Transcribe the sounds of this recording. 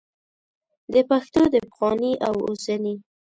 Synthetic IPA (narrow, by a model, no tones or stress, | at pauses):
d̪əpaxt̪od̪əpxɑniʔawo̰sani